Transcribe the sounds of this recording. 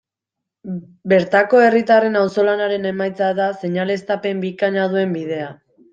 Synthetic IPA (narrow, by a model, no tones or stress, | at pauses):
be̞ɾt̪ako̞e̞rit̪are̞nawso̞lanaɾe̞ne̞majt͡saðase̞ɲale̞st̪ape̞mbikaɲað̞ue̞mbiðe̞a